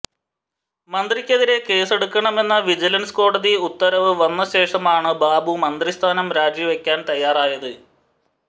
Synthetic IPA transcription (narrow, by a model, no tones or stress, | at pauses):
mɐnd̪rikʲːeðiɾe̞ke̞ːse̞ɽukːɐɳɐme̞nːɐʋid͡ʑilɐnsko̞ːɽɐðiut̪ːɐɾɐʋɨʋɐnːɐɕe̞ːʂɐmaːɳɨbaːbumɐnd̪rist̪ʰaːnɐmɾaːd͡ʑjɐʋekʲːaːnt̪ɐjːaːraːjɐðɨ